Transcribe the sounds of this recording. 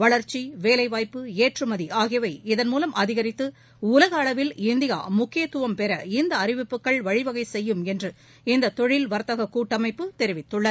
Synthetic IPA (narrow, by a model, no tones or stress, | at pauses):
ʋɐɭɐɾt͡ʃiʋeːlɐɪʋaːjpːɯeːʈrɯmɐðiʔaːɣɪjɐʋɐɪɪðɐnmuːlɐmʔɐðɪɣɐɾɪt̪ːɯ | ʊlɐɣɐːɭɐʋɪlɪnd̪ɪja̰ːmʊkːɪjɐt̪ːʊʋɐmpɛɾɐɪnd̪ɐːrɪʋɪpːɯkːɐɭʋɐɻɪʋɐɣɐɪsɛjːɯmɛndrɯ | ɪnd̪ɐt̪ɔɻɪlʋɐɾt̪ɐɣɐkuːʈːɐmɐɪpːɯt̪ɛɾɪʋɪt̪ːɯɭːɐ